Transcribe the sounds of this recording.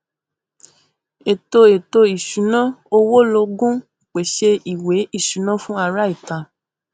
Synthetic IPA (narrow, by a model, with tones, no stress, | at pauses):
e˨to˧e˨to˧i˨ʃu˨˦nã˦o˧wo˦lo˧ɡũ˦˨k͡pe˨ʃe˧i˨we˨˦i˦˨ʃu˨˦nã˦fũ˦a˧ɾa˦i˦˨ta˨